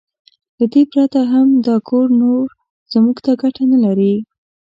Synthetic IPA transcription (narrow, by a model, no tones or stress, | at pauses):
d̪əd̪epɾat̪aɦamd̪ɑkʰoɾnoɾ | z̥muɡt̪aɡaʈanalaɾi